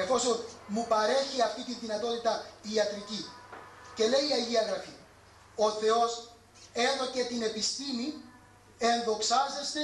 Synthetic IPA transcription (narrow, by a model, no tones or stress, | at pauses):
e̞fo̞sonmupɐɾe̞çiɐft̪it̪inðinɐt̪o̞t̪it̪ɐiɐt̪ɾici | ce̞le̞iiɐʝiɐɣɾɐfi | o̞θe̞o̞s | e̞ðo̞ce̞t̪ine̞pist̪imi | e̞nðo̞ksɐzest̪e